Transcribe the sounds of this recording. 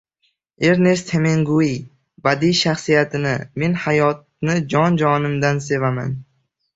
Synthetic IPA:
e̞ɾne̞st̪ʰe̞meŋɡui | bad̪ijʃaχsijat̪ʰɪnɪme̞nhajɒt̪̚nɪd͡ʒɒnd͡ʒɒnɪmd̪anse̞vama̰n

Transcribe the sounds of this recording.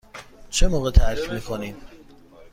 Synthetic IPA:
t͡ʃʰemoːɣet̪ʰæɾicmiːkʰoniːd̪̥

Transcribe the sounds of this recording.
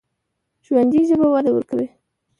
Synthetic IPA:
ʒwand̪iʒəbawad̪awə̰ɾkawe

